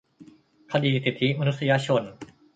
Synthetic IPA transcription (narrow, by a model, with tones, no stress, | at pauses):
kʰa˧d̪iː˧˩si˨˩t̪ʰːi˦˥ma˧nu˦t̪̚si˧jaː˧ɕʰo˧n